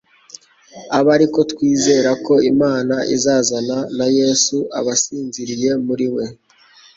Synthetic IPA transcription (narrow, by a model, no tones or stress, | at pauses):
aβaɾiko̞tkwiːze̞ɾako̞imaːnaʔizaːzananaje̞ːsuaβasiːnziɾije̞muɾiwe̞